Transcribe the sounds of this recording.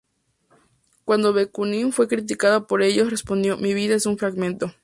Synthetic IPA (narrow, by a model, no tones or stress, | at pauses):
kwand̪oβekunĩnfwe̞kɾit̪̬ikaðapoɾe̞ʝosrespond̪jomiβiðaesuɱfɾaɣmẽnt̪o